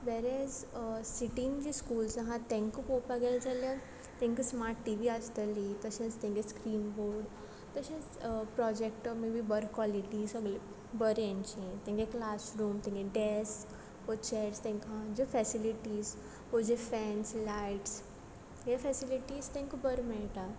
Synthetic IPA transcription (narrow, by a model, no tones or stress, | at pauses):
ʋɛɾɛzsiʈĩnd͡ʒiskuːlsaɦãt̪ɛ̃ŋkupopaɡɛld͡zalja | t̪ɛ̃ŋkəsmaɾʈːiʋiast̪əlit̪əʃẽst̪ɛ̃ŋɡeskɾiːnboɾɖ | t̪əʃẽspɾɔd͡ʒek̚ʈmebibəɾkwɔliʈizəɡl | bəɾjãɲt͡ɕiẽt̪ɛ̃ŋkeklasɾuːmt̪ɛ̃ŋkeɖɛs | ot͡ɕɛʈst̪ɛ̃ŋkãd͡ʑefɛsiliʈiz | ɦod͡ʑefɛnslaiʈs | jafɛsiliʈiːst̪ɛ̃ŋkəbəɾmɛɭʈa